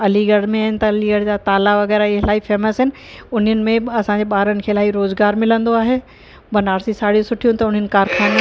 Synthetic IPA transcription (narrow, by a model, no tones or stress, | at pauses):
ɐliɡɐɽ̤mẽaːɦɪnɪt̪ɐɐliɡɐɽ̤d͡ʑat̪aːlaʋɐɣɛːɾaiɦɪlaːifɛːməsɦɪnɪ̆ | ʊn̤ənɪ̆mẽɐsãɲd͡ʑeɓaːɾənɪ̆kʰeːɪlaːiɾoːzɡaːɾmɪlə̃nd̪oaːɦeː | bɐnaːɾsisaːɽijũsʊʈʰijũt̪ɐʊn̤ənɪ̆kaːɾkʰaːn